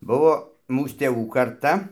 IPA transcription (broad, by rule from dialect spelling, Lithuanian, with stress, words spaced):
ˈbʊʋoː ˈmuːs tʲeːˈʋuː kɐrˈtɐ